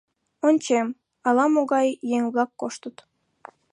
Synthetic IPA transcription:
onʲt͡ɕem | ɑlɑmoɣɑjːeŋβlɑkːoʃt̪ət̪

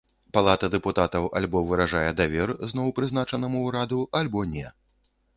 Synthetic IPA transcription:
palˠat̪ɐd̪ɛput̪at̪ɐwʔa̰lʲbɔvɨɾaʐajɛd̪avʲɛrznɔwpɾɨznat͡ʂɐnɐmuːɾad̪uʔalʲbɔnʲɛ

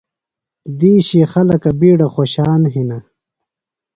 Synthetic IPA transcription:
d̪iːɕixɐlɐkɐbiːɽaχoːɕaːnɦina

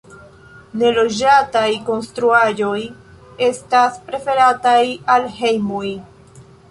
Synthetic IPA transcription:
ne̞lo̞d͡ʒatajko̞nstɾuaʒo̞j | e̞staspɾe̞fe̞ɾatajalɦe̞jmuj

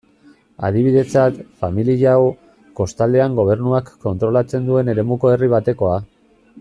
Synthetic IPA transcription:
a̰ðiβ̞iðe̞t͡sat̪familiʎaw | ko̞st̪ald̪e̞aŋɡo̞β̞e̞ɾnuakːo̞nt̪ɾo̞lat͡se̞nd̪ue̞ne̞ɾe̞muko̞e̞riβ̞at̪e̞ko̞a

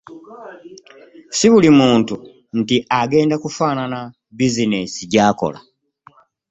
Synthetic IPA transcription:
siβulimuːntu | n̩tiʔaɡeːndakufaːnana | bizinesiɟaːko̰la̰

